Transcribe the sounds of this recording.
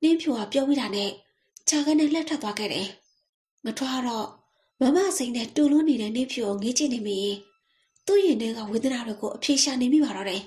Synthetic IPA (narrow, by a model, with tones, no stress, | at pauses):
n̥ɪ̃˦pʰjo˦˨ɡa˦˨pjɔ˦mi˦ɾa˨nɛ˦˨ | t͡ɕa˨ɡa˦nɛ̃˦˨lɛ˦˨tʰɛ˦t̪wa˦ɡɛ̰˦˨ɾɛ˨ | ŋə˨tʰɛ˦ʔa˦˨ɾɔ˦˨ | mã˨˦˨ma̰˦˨sẽ˨ɪ̃nɛ̰˦˨to˨lʊ̃˦˨ne˨ɾɛ˦˨n̥ɪ̃˦mpʰjo˦˨ʔõ˨ŋe˦t͡ɕɪ̰̃˦˨ne˨me˨jɪ̃˨ | t̪ṵ˦˨jɪ̃˨nɛ˦˨ɡa̰˦˨we˨d̪ə˨na˨dwe˨ɡo˨ʔəpʰje˨ʃa˨ne˨mḭ˦˨ba˨ɾɔ˦˨ɾɛ˨